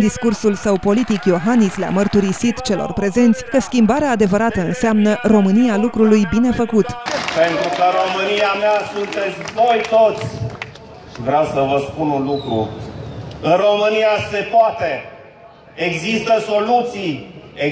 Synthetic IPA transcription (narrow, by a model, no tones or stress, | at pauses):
d̪iskursulsəwpo̞lit̪ikjo̞ɦanislea̰mərt̪uɾisit̪t͡ʃe̞lo̞̰rpɾe̞ze̞nt̪sʲkəskʲimbaɾeaːd̪e̞vəɾat̪əɨnseamnəro̞mɨnijalukɾulujbine̞fəkut̪pe̞nt̪ɾukəɾo̞mɨniameasunt̪e̞t̪sʲvo̞jt̪ot̪sʲ | ʃivɾeawsəvəspununlukɾṵ | ɨnro̞mɨnijase̞poat̪e | eɡzist̪əso̞lut̪sije